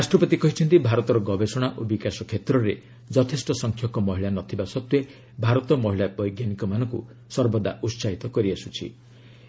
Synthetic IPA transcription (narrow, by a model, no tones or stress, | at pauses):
ɾasʈɾɔpɔt̪ikɔɦit͡ʃʰɔnt̪ibʱaɾɔt̪ɔɾɔɡɔbesɔɽ̃aʔobikasɔkʰet̪ɾɔɾe | d͡ʒɔt̪ʰesʈɔsɔŋkʰjɔkɔmɔɦiɭanɔt̪ʰibasɔt̪wje | bʱaɾɔt̪ɔmɔɦiɭabɔjɡjanikɔmanɔ̃ŋku | sɔɾbɔd̪a̰ʔutsait̪ɔkɔɾiasut͡ʃʰḭ